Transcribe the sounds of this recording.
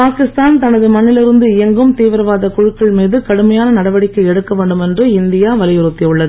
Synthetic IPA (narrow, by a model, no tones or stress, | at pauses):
paːkɪst̪aːnt̪ɐnɐðɯmɐnːɪlɪɾɯnd̪ɯɪjɐŋɡɯmt̪iːʋɪɾɐʋaːðɐkʊɻɯkːɐɭmiːðɯkɐɽɯmɐjaːnɐnɐɽɐʋɐɽɪkːɐɪɛɽɯkːɐʋeːɳɖɯmɛndrɯɪnd̪ɪjaːʋɐlɪjɪɾɯt̪ːɪɯɭːɐðɯ